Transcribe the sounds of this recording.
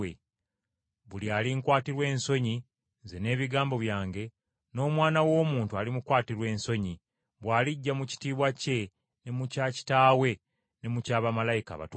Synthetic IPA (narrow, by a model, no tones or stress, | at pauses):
e | βulialiŋkwaːtiɾwe̞ːnso̞ɲi | ze̞ne̞ːβiɡaːmbo̞βjaːŋɡe̞ | no̞ːmwaːnawo̞ːmuːntualimukwaːtiɾwe̞ːnso̞ɲi | βwaːliɟːamuci̥tiːβwace̞ | ne̞mucaci̥taːwe̞ | ne̞mucaːβamalajika̰βa̰t